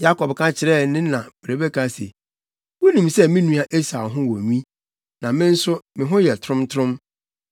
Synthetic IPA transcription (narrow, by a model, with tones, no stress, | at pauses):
ja˦kʰɔ˨bkʰã˦t͡ɕʰɪ˨ɾɛ˦nɪ̃˦nã˨bɾe˨be˦kʰã˦sḛ˨ | wʊ˦nĩ˨msɛ˦mɪ̃˦nũ˦a˨ʔe˦sa˨ɦʊ̃˦wɔ˨ɲĩ˦ | nã˨mɪ̃˦n̩˦sʊ˦mɪ̃˨ɦʊ̃˦jɛ˨tʰɾʊ̃˦mtʰɾʊ̃˦m